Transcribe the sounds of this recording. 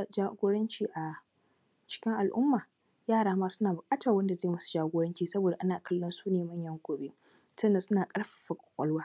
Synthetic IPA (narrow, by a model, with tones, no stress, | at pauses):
d͡ʒaː˦ɡʷoː˦ɽɐ˦nt͡ʃiː˨ʔa˨ | t͡ʃɪ̥˦kʲɪ˦ŋʔa˨lʔʊ˦mːaː˨ | jaː˦˨ɽaː˦maː˦sʊ˦naː˨bʊ˨kʼaː˦tɐ˨wɐ˦nda˨zaː˦˨mɐ˦su̥˨d͡ʒaː˦ɡʷoː˦ɽɐ˦nt͡ʃiː˨sɐ˦boː˨da˨ʔa˦naː˨kɐ˦lːɔ˦nsuː˦neː˨mɐ˦˨ɲjɐ˦ŋɡʷoː˨be˦ | sɐ˦nda˨sʊ˦naː˨kʼɐ˦ɽɸa˨ɸɐ˨kʷʼɔ˨kʷʼɔ˦lwaː˦